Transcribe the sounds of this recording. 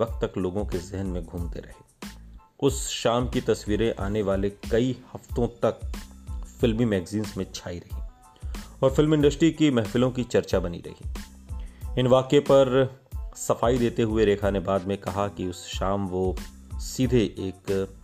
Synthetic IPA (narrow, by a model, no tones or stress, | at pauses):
ɐq̚t̪ːɐkloːɡõkezɪɦnmẽɡʱũːmt̪ḛɾɐ̰ɦeː | ʊsʃaːmkit̪ɐsʋiːɾẽʔa̰ːneʋaːlekɐihɐft̪õt̪ɐk̚ | fɪlmimɛːɡziːnsmẽt͡ʃʰaːiɾɐɦi | ɔːɾfɪlmɪ̃ɳɖəsʈɾikimɛɦfɪlõkit͡ʃɐɾt͡ʃabɐnḭɾɐ̰ɦḭ | ɪnʋaːkepɐɾ | sɐfaːid̪eːt̪eɦʊeɾeːkʰaːnebaːd̪mẽkɐɦakiʊsʃaːmʋo | siːd̪ʱeʔeːk